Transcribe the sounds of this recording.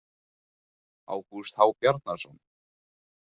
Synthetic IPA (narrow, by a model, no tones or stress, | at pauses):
a̰whust̪hawpjaɾt̪̚nasɔn